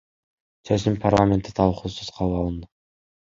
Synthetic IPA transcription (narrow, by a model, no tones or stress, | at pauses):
søzympʰarlˠamʲe̞nt̪ɪ̥t̪ʰɑlˠqʰusuz̥qʰɑlˠəɑlˠɯnd̪ə